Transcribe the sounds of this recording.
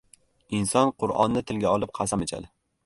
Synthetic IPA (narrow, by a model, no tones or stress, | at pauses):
ɪnsɒnqʰʊɾɒ̰nːɪt̪ʰɪlɡʲaɒlˠɪp̚qʰɑsamet͡ʃʰa̰d̪ɪ